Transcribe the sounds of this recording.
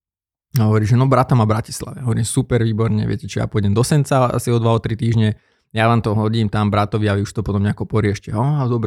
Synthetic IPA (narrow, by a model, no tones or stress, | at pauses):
ɦɔʋɔɾiːʒɛnɔbɾat̪amabɾaci̥sla̰ʋɛɦɔʋɔɾiːmsupɛɾʋiːbɔɾɲɛʋɪɛ̰cɛt͡ʃɔja̰puɔjɟɛmd̪ɔsɛnt͡saa̰siɔd̪ʋaɔt̪ɾit̪iːʒɲɛ | jaʋaːmt̪ɔɦɔɟiːmt̪ambɾat̪ɔʋiaʋiuʃt̪ɔpɔt̪ɔmɲɛakɔpɔɾiɪɛʃcɛɦɔd̪ɔbɾ